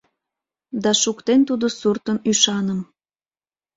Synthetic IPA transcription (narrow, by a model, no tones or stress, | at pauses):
d̪ɑʃukt̪ent̪ud̪osurt̪ənyʃɑnəm